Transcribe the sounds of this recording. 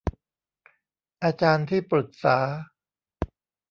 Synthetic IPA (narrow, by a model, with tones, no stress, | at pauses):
ʔaː˧t͡ɕaː˧nt̪ʰiː˥˩pɾɯ˨˩k̪̚saː˩˦